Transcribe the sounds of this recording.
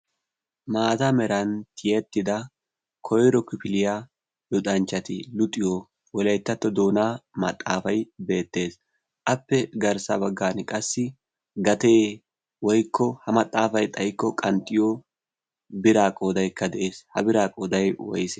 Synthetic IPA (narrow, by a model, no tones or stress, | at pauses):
maːt̪ɐmɛɾɐnt̪ʰɪjɛt̪ːɪd̪ɐ | kʰɔjɾɔkʊpɪlɪja | lʊt̪ʼɐnt͡ʃːɐt̪ɪlʊt̪ʼːɪjo | wɔlɐjt̪ːɐt̪ːɔd̪oːnaːmɐ̰t̪ʼːa̰ːfɐjbe̞ːt̪ːe̞ːs | ʔɐpːɛɡɐɾsɐ̰bɐɡːaːnkʼɐsːɪ | ɡɐt̪eː | wɔjkʰːɔhɐmɐt̪ʼːaːfɐjt̪ʼɐjkːɔkʼɐnt̪ʼːɪjo | bɪɾaːkʼoːd̪ɐjkːɐd̪ɛʔe̞ːshɐ̰bɪɾaːkʼoːd̪ɐjwɔ̰jsɛ